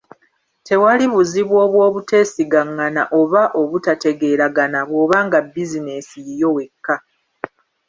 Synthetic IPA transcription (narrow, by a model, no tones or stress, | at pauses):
tʰe̞waliβuziβwo̞ːβwo̞ːβute̞ːsiɡaŋːanaʔo̞βaʔo̞βutate̞ɡe̞ːɾaɡanaβwo̞ːβaːŋɡabːizine̞sijjo̞we̞kːa